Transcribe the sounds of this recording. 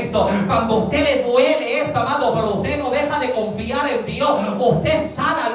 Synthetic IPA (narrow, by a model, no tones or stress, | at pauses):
t̪okwand̪oust̪eleðweleest̪oamãðokwaɾoust̪enoðe̞xaðekõ̞ɱfiaɾend̪josust̪essana